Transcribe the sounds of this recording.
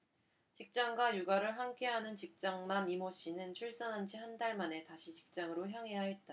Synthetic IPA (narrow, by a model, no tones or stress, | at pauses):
t͡ɕik̚t͡ɕ͈aŋɡwajuɡaɾɯɭɦamkʰe̞ɦanɯnt͡ɕik̚t͡ɕ͈aŋmamimoɕ͈ʰinɯnt͡ɕʰuɭs͈ʌnɦand͡ʑihandaɭmane̞taɕʰit͡ɕi̥k̚t͡ɕ͈aŋɯɾoçjaŋɦe̞jaɦet̚t͈a